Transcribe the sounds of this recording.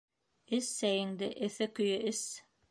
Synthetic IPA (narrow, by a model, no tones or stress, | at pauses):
ɘsːæjɘ̆ŋd̪ɘʔɘ̆θɘkɵ̆jɘʔɘs